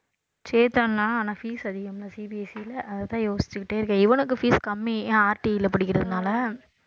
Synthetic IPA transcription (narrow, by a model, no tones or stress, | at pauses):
t͡ʃeːt̪annãːaːnãːfiːsɐðɪɣɐmlɐsiːbiɛsilɐʔɐðɐt̪ãːjoːsɪ̥t͡ʃːɯkːɪʈːeːɪɾɯkːɐ̃ːɪʋɐnɯk̬ːɯfiːskɐmːĩaːɾʈiɪlɐpɐɽɪkːɪɾɐðɯnaːlɐ